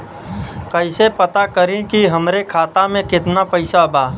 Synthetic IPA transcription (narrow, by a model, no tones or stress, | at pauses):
kəɪsepət̪akəɾĩkiɦɐmɾekʰaːt̪amẽkɪt̪napɐɪsabaː